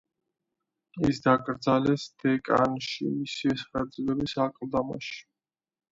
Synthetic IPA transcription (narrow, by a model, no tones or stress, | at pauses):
isd̪akʼɾd̪zalɛsd̪̥ɛkʼa̰nʃḭmisiɛsχɛd̪zlɛbisakʼld̪ama̰ʃi̥